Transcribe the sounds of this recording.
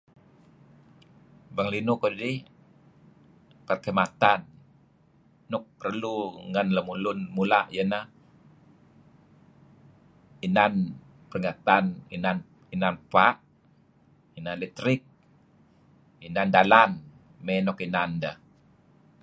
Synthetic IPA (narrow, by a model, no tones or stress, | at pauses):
baŋlinukoddi | pərkəmat̪an | ɔk̚pərluŋanləmulunmulaʔjənah | inan | pərŋat̪aninan | inanpaʔ | inanlɛt̪ɾik̚ | inandalan | mɛnɔkinanda